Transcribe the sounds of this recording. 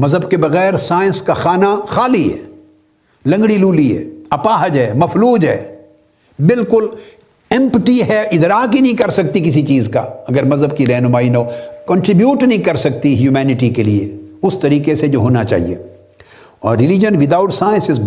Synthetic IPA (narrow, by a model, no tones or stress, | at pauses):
mɐzɦəbkebɐɣɛːɾsaːɪ̃nskaxaːnaxaːliɦɛ̰ː | lɐ̃ŋɡɽiluːliɦɛ̰ːɐpaːɦəd͡ʒɦɛːmɐfluːd͡ʒɦɛ̰ː | bɪlkʊl | ɛ̃mpəʈiɦɛʔɪd̪ɾaːkinɐɦĩkɐɾsɐk̚t̪ikɪs̬it͡ʃiːzka̰ɐɡəɾmɐzɦəb̚kiɾɛɦnʊmaːinɐɦoːkɐ̃ɳʈɾɪbjuːʈnɐɦĩkɐɾsɐk̚t̪iɦjuːmɛːnɪʈ̬ikelieʊst̪ɐɾiːkesed͡ʒoːɦoːnat͡ʃa̰ːɦḭḛ | ɔːɾːɪlɪd͡ʒənʋɪd̪aːʊʈsaːɪ̃nsɪz